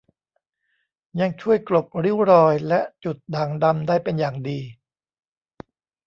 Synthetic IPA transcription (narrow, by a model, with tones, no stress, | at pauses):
ja˧ŋt͡ɕʰu˥˩əjklo˨˩p̚ɾi˦˥wɾɔː˧jlɛ˦˥ʔt͡ɕu˨˩t̪̚daː˨˩ŋda˧mdaː˥˩jpe˧njaː˨˩ŋdiː˧